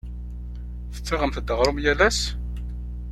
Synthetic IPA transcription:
θə̥t͡sːaʁəmθd̪əʁɾˤʊmjælæs

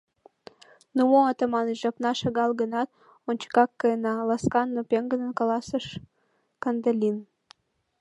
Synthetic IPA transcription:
numoɑt̪əmɑnəʒɑpnɑʃəɣɑlˠɡə̆nɑt̪̚ | onʲt͡ɕə̥kɑkːənɑlɑskɑnːopʲeŋɡə̆nə̆nkɑlɑsəʃ | kɑnd̪əlʲin

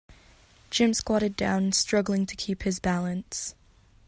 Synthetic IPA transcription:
d̥ʒ̥ɪ̃mskwɑɾɨdã̰ʊ̃nstɹ̥ʌɡl̩ˠɪ̃ŋtʰɨ̥kʰiphɨzbælˠɨ̃ns

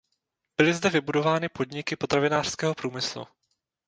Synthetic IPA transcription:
b̥ɪlɪzdɛvɪbudo̞vaːnɪpo̞dɲɪkɪpo̞t̪ɾavɪnaːr̥skɛːɦo̞pɾuːmɪslṵ

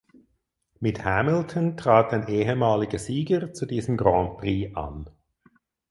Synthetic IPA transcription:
mɪthæmɪl̩tʰəntʁ̥aːtaɪnʔeːɦəmaːlɪɡəziːɡəʁt͡sudiːzəmɡʁɑːnpʁiːʔa̰n

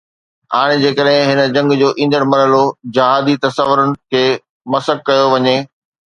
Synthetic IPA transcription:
a̰ːɽ̃ɪ̆d͡ʑeːkəɗɦɪ̃ɦɪnə̆d͡ʑɐ̃ŋɡd͡ʑoːʔĩːnd̪əɽmɐɾəlod͡ʑɐɦaːd̪it̪ɐsəʋːʊɾənɪ̆kʰeː | mɐsəkːɐjoʋɐɲe

